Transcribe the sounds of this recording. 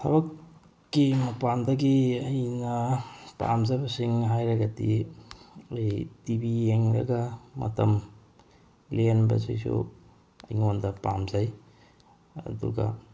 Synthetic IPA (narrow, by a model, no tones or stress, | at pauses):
sʰɐ̰bɐkː | imɐpandɐɡiɐjnɐpa̰mzajbɐsiŋɦajɾɐɡɐdi | ɐjtibieŋɾɐ̰ɡɐmɐ̰tɐm | lenbɐ̰sḭjsṵ | ɐ̰jŋondɐpa̰mzaj | ɐ̰dṵɡɐ̰